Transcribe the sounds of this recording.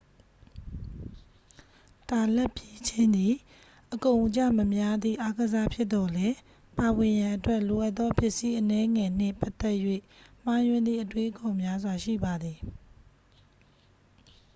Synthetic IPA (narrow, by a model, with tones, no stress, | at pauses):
ta˨lɛ˦˨pje˦t͡ɕʰɪ̃˦nd̪i˨ | ʔəkõ˨ʊ̃ʔt͡ɕa̰˦˨mə˨mja˦d̪ðḭ˦˨ʔa˦ɡəza˦pʰjɪ˦ʔ̪t̪ːɔ˨lɛ˦ | pa˨wɪ̃˨jã˨ʔətwɛ˦ʔlo˨ʔa˦t̪ːɔ˦pjɪ˦ʔsi˦ʔənɛ˦ŋɛ˨n̥ɪ̰̃˦˨pa˦t̪ɛ˦ʔjwḛ˦˨m̥a˨jwɪ̃˨nd̪ðḭ˦˨ʔətwe˦ʔəkõ˨mja˦zwa˨ʃḭ˦˨ba˨d̪ði˨